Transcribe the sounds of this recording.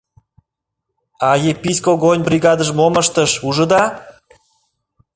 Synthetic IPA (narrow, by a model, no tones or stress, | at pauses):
ɑjepisʲkoɣonʲbriɣɑd̪ə̆ʒmoməʃt̪əʃuʒə̆d̪ɑ